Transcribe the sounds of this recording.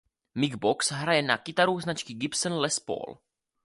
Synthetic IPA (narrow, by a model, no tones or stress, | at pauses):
mɪɡboksɦɾajɛnakɪt̪aɾuznat͡ʃkɪɡɪpsənlɛspo̰ːl